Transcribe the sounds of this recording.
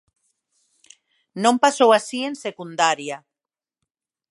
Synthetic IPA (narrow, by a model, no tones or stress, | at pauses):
nõmpasowasiensekund̪aɾja